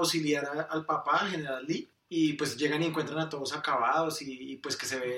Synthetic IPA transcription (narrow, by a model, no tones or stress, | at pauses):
wsiljaɾaalpapaxe̞ne̞ɾali | ipwe̞sd͡ʒe̞ɣanieŋkwe̞nt̪ɾanat̪o̞ð̞osakaβaðo̞siːpwe̞ske̞se̞βe